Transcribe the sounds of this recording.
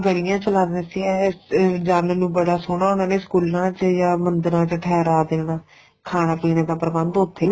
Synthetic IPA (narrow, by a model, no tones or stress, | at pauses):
ɡəɾɪjãːt͡ʃəlaːd̪nẽːsiːɛːd͡ʒaːlːnũːbəɽaːsoːnaːʊnãːneːskuːlãːt͡ʃjaːmənd̪əɾãːt͡ʃʈʰɛːɾaːd̪eːnaː | kʰaːnaːpiːnãːd̪aːpɾəbənd̪ʊt̪ʰːeː